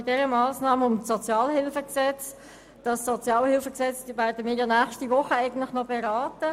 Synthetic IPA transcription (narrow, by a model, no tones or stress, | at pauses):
ɪtdɛʁəmɑːsnɑːməʊmsɔt͡sjɑːlhɪlfəksɛt͡s | d̥ɑsːɔt͡sjɑːlhɪlfəksɛt͡sd̥iːvæːɾdəmɪːɾjɑnæːχʃtivʊχəɛɪɡən̩tlɪχnɔbɛʁɑːtə